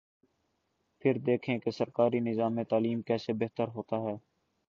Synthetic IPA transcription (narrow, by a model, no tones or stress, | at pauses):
pʰɪɾd̪eːkʰẽkesəɾkaːɾinɪzaːmet̪aːliːmkɛːsebeɦt̪əɾɦoːt̪aɦɛː